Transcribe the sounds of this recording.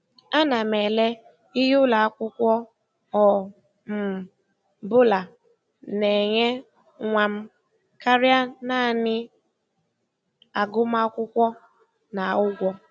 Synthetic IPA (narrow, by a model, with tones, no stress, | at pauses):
a˦na˨me˨le˦ | i˦ɦʊ˦la˨a˦kʷʊ˦kʷɔ˦ | ɔ˨ | m̩˨ | bʊ˦la˨ | ne˨ɲe˦ | ŋʷa˨m̩˦ | ka˦ɾja˦na˦˨nɪ˦ | a˨ɡʊ˦m˦a˦kʷʊ˦kʷɔ˦ | na˨ʊ˦ɡʷɔ˦